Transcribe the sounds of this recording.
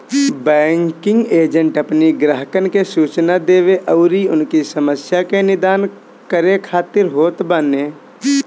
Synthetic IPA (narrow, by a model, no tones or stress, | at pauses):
bɛːŋkɪ̃ŋɡeːd͡ʒə̃ɳʈəpniɡɾəɦəkənkesuːt͡ʃnad̪eːʋeʔɔʊɾiʊnkisəməsjakenɪd̪aːn | kəɾekʰaːt̪ɪɾɦoːt̪baneː